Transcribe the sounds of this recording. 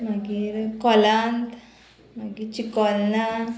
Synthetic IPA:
maɡiɾkɔlãnt̪ | maɡit͡ɕikɔlna

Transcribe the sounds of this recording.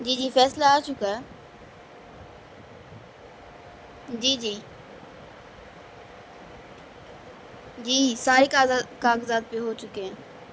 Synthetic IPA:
d͡ʒiːd͡ʒiːfɛːslaaːt͡ʃʊkaɛ | d͡ʒiːd͡ʒiː | d͡ʒiːsaːɾekaːkaːkzaːd̪̚peɦoːt͡ʃʊkeɦɛ̃ː

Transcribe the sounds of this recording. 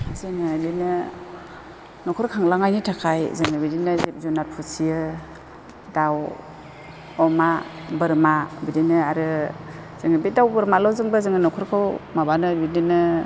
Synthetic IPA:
zɯŋɯdinɯ | nɔkʰɔɾkʰaŋlaŋajnitʰakʰajzɯŋɯbidinɯzip̚zɔnaɾpʰusijɯ | daw | ɔmabɯɾmabidinɯaɾɯ | z̥ɯŋɯbit̚dawbɯɾmalawzɯŋbazɯŋɯnɔkʰɔɾkʰɯwmabanɯbidinɯ

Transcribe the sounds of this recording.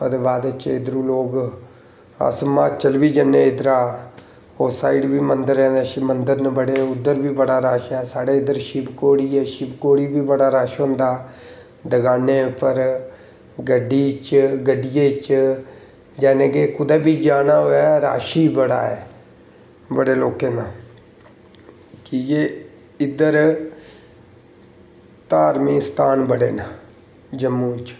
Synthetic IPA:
pəd̪baːd̪ət͡ʃɪd̪ɾũːloːɡ | ə̰smaːt͡ʃəlʋiːd͡ʒənːeːɪd̪ɾaː | oːsaːiːɖbiːmənd̪əɾɛ̃ːʃiːmənd̪əɾnəbəɽeːʊd̪ːəɾbiːbəɽaːɾaːʃɛːsaːɽeːɪd̪əɾʃibkoːɽiːɛːʃɪbkoːɽiːbiːbəɽaːɾaːʃɦʊ̃nd̪aː | d̪əɡaːneːpəɾ | ɡəɖiːt͡ʃɡəɖɪjeːt͡ʃ | d͡ʒɛːneːɡeːkʊd̪eːbiːd͡ʒaːnaːɦoːjaːɾa̰ːʃiːbəɽa̰ːɛː | bəɽeːloːkeːnaː | kijeː | ɪd̪əɾ | t̪aːɾmiːst̪aːnbəɽeːnaː | d͡ʒəmːũːt͡ʃ

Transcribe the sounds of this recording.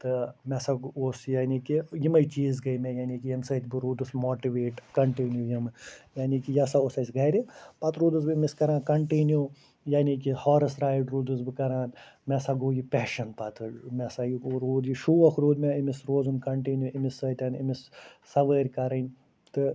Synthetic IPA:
t̪ɨmɛsaɡoːsjaːniːkijimɐjt͡ʃiːzɡɐjmɛ̃ːjaːniːkijɐmsɐːt̪ʲbɨɾuːd̪ɨsmoːʈiʋeːʈkɐɳʈinjujimjaːniːkijasaosɐsʲɡɐːjɾipat̪ɾuːd̪ɨsbɨmiskɐɾaːnkɐɳʈinju | jaːniːk̬ihɔːɾɐsɾaːjʈɾuːd̪ɨsbɨkɐɾaːnmɛsaɡoːjipʲɛːʃɐnpat̪ɨmʲɛsajiɾuːd̪iʃuːʋɐkʰɾuːd̪ʲmɛimisɾoːzunkɐɳʈinjuimisɐːt̪ʲɐnimisːɐʋəːɾʲkɐɾɐnʲ | t̪ɨ

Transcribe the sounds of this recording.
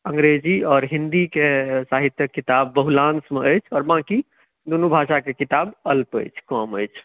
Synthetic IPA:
ə̃ŋɡɾed͡ʒiɔːɾɦĩnd̪ikesaɦit̪jəkːit̪abːəɦulãnsmeəjt͡ʃʰɔːɾbãki | d̪unubʱaʃakekit̪abəlpə̰jt͡ʃʰkɔməjt͡ʃʰ

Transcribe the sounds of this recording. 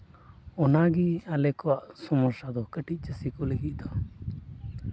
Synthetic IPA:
ɔnaɡialɛkɔwaʔsɔmɔɾsad̪ɔkəʈic̪̚ˀt͡ʃəsikɔləɡiʔd̪ɔ

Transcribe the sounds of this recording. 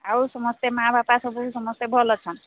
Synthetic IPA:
awsɔmɔst̪emɦabapasɔbusɔmɔst̪ebʱɔlɔt͡ʃʰɔn

